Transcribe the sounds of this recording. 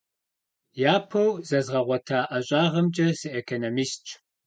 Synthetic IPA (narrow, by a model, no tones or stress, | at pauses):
jaːpʰɐwzɐzʁɐʁʷɔtʰaːʔɐɕʼaːʁɐmd͡ʒʼɐsiʔekʰonomist͡ʃʰʼ